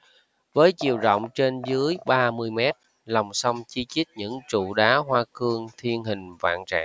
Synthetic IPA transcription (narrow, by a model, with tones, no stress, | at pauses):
vəː˨˦jt͡ɕḭ˧˨əwzə̰˧˨wŋ͡mt͡ɕe˧nzɨ˨˦əjɓaː˧mɨ˧əjmɛ˦˥t̚ | lɔ˨˩wŋ͡msa˧wŋ͡mt͡ɕi˧t͡ɕi˦˥k̚ɲɨ̰˧˥ŋt͡ɕṵ˧˨ɗaː˨˦ɦwaː˧kɨ˧əŋt̪ʰi˧ənɦï˨˩ŋ̟va̰ː˧˨nt͡ɕa̰ː˧˨ŋ